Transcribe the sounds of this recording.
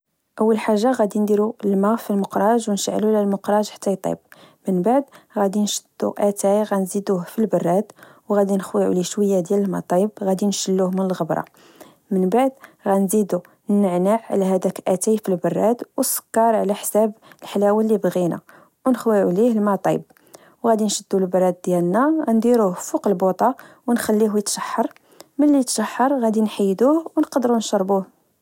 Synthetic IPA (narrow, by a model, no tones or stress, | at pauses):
ʔəwːəlħaʒːaɣæd̪ind̪iɾuəlmæfilmʊqɾˤɑʒwnʃʕlulælmʊqɾˤɑʒħḁt̪ːæjt̪ˤːḭb̚mənbaʕd̪ɣæd̪inʃəd̪̥ːṵʔæt̪æjɣænzid̪uhfilbɑrˤːɑd̪wɣæd̪inəxwiʕṵliʃwəjːad̪jæləlmɑ̰t̪ˤɑbɣæd̪inʃəlːuhmənəlɣəbɾˤɑ̰ | mənbaʕd̪ɣænzid̪u | nːəʕnaʕʕlæɦæd̪ækʔæt̪ajfilbɑrˤːɑd̪wsə̥kːɑɾˤʕlæħsæbəlħalæwælːibɣinæ̰ | wnəxwiʕulihlmɑt̪ˤɑb̚ | wɣæd̪inʃəd̪ːulbɑrˤːɑd̪̚d̪jælnæɣænd̪iɾuhfuqəlbot̪ˤɑ | wnxælːiɦujət̪ʃɑħːɑɾˤ | məlːijət̪ʃɑħːɑɾˤɣæd̪inħajːd̪uhwnqɑd̪əɾunʃɑɾˤbuh